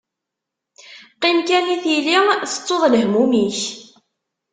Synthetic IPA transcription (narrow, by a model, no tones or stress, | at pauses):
qimkæniθjiliθə̥t͡sˤːoðˤləɦmumiç